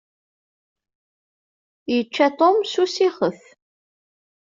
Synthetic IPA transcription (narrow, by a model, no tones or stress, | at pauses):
jət͡ʃːæt̪ˤomsusiχəθ